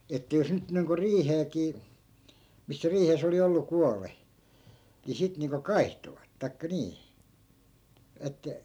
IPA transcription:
etːæ jos nyt niːŋko riːheːkiː misːæ riːhes oli olːu kuɑle ni sit niːŋko kɑi̯htoʋɑt tɑi̯kːɑ niː etːæ

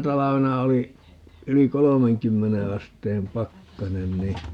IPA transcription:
tɑlɑʋenɑ oli yli kolomeŋkymːene ɑsteːm pɑkːɑnen ni

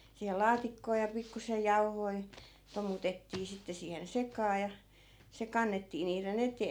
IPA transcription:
siːhel̆ lɑːtikːoː jɑ pikːusej jɑu̞hoi̯ tomutetːiː sitːe siːhen sekɑː jɑ se kɑnːetːiː niːren eteː

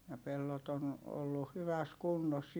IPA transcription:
jɑ pelːot on olːu hyʋæs kunːos

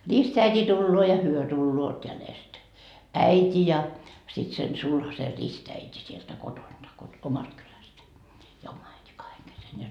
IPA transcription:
ristæitʲi tulːoː jɑ hyø tulːoːt jælest æitʲi jɑ sit sen sulhɑse ristæitʲi sieltæ kotond̥ɑ kot omɑst kylæstæ jɑ omɑ æiti kɑheŋ kesen jɑ

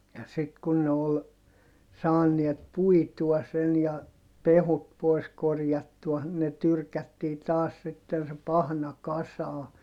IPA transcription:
jɑ sit kun ne ol sɑːniet puituɑ sen jɑ pehut poi̯s korjɑtːuɑ ne tyrkætːiː tɑːs sitːen se pɑhnɑ kɑsɑː

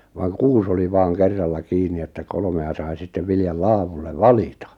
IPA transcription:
ʋɑːŋ kuːs oli ʋɑːŋ kerːɑlːɑ kiːni etːæ kolŏmeɑ sɑi sitːeʋ ʋiljɑl lɑːʋulːeʋ ʋɑlitɑ

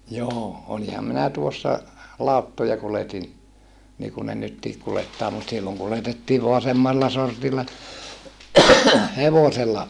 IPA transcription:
joː olihɑm minæ tuosːɑ lɑˑutːojɑ kuletin niːkun ne nytːiːk kuletːɑː mut silːoŋ kuletetːiːʋ ʋoɑ semːɑlːɑ sortilːɑ heʋoselːɑ

